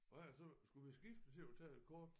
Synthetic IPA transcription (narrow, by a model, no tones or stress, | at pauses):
ɒæsɒ̽sɡ̥uʋisɡ̥ifd̥ət͡sʰe̝ɒt͡sʰɛ̰ːed̥̚kʰɔːd̥